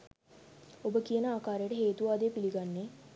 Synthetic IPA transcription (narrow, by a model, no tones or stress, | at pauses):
obəkiənəaːkaːɾejəʈəɦeːt̪uʋaːd̪epiliɡanːe